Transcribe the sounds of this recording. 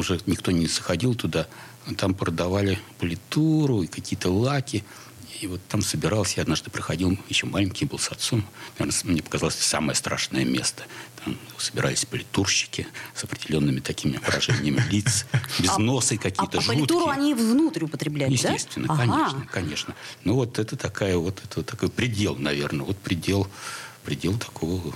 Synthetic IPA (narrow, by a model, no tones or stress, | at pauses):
ʊʐɛnʲɪkt̪o̞nʲɪsəxɐdʲilˠt̪ʊd̪a | t̪ampɾəd̪ɐvalʲɪpəlʲɪt̪uɾʊikɐkʲijət̪əlˠakʲɪ | ivo̞t̪ːamsəbʲɪɾalˠəsʲjaɐd̪naʐd̪ɨpɾəxɐdʲilˠjɪɕːo̞malʲɪŋʲkʲɪjbɨlˠsɐt̪somnɐvʲernəmnʲepə̥kɐzalˠəsʲsaməjəst̪ɾa̰ʂnəjəmʲe̞st̪ə̥t̪amsəbʲɪɾʔa̰lʲɪsʲpəlʲɪt̪urɕːɪ̥kʲɪsɐpɾʲɪdʲɪlʲo̞nːɨmʲɪt̪ɐkʲimʲɪvəɾɐʐɛnʲɪjəmʲɪlʲit̪sbʲɪzno̞sɨkɐkʲjət̪əʐlʲɪt̪t̪uɾʊɐnʲivvnut̪ɾʲʊpət̪ɾʲɪblʲæjjɪsʲtʲest̪vʲɪnːəkɐnʲeʂnnəkɐnʲe̞ʂnənovo̞t̪ɛt̪ət̪ɐkajəvot̪ʰɛt̪əot̪ːɐko̞jpɾʲɪdʲe̞lˠnɐvʲe̞rnəvo̞t̪̚pɾʲɪdʲelˠpɾʲɪdʲelˠt̪ʰɐ̥kʰovə